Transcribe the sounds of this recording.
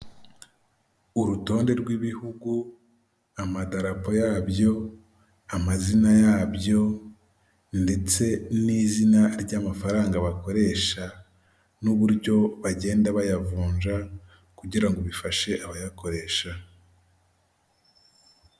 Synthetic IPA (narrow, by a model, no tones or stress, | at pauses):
uɾuto̞ːnde̞ɾɡwiβihuɡu | amadaɾapo̞jabjo̞ | amazinajaːbjo̞ | nde̞t͡se̞niːzinaɾɟaːmafaɾaːŋɡaβako̞ɾe̞ʃa | nuβuɾɟo̞βaɟe̞ːndaβajavuːɲʒa | kuɟiɾaŋɡo̞βifaʃe̞ʔaβajako̞ɾe̞ːʃa